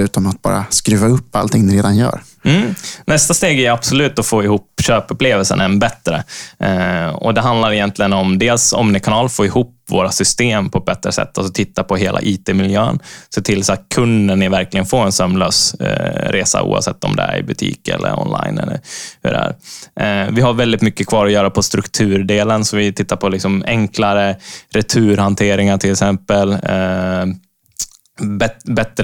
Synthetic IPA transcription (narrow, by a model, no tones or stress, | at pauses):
ʉ̟ːt̪ɔmat̪̚bɑ̰ːɾa̰skɾʉ̟ːvaɵpːalt̪ʰɪŋnɪɾeːd̪anjœ̰ːɾ | m̩ːnɛst̪ast̪eːɡæjab̥sɔlʉːt̪ɔfoːɪhuːpːɕøːpɵpleːvəlsənɛnbɛt̪ːɾə | ɔ̰d̪ɛɦand̪laɾɪjɛnt̪ʰlɪɡənɔmd̪eːlsɔ̰mnɪkʰanɑːlfoːɪhuːpvoːɾasʏst̪eːmpʰɔɛt̪̚bɛt̪ːɾəsɛ̰t̪ːalsɔt̪ʰɪt̪ːapʰɔɦeːlʔa̰ʔiːt̪ʰeːmɪljøːənseːt̪ʰɪlsat̪̚kʰɵnd̪əɳːɪvæɾklɪɡənfoːɾɛnsœmløːsɾʔeːsa̰ʔṵːa̰vsɛt̪ːɔ̰md̪ɛ̰æɾɪbɵt̪ʰḭːkɛ̰lːʔə̰ɾɔ̰nla̰jnɛ̰lːəɾhɵ̰ɖɛ̰æ̰ːɾ | vɪɦaɾvɛld̪ɪt̪mʏkːəkʰvɑːɾɔjœːɾapʰɔst̪ɾɵkt̪ʰʉːɾɖeːlənsɔvɪt̪ʰɪt̪ːaɾpʰɔlɪksɔmɛŋklaɾəɾɛt̪ʰʉ̟ːɾhant̪ʰeːɾɪŋaʈʰɪlɛksɛmpəl | bɛbɛt̪ɾ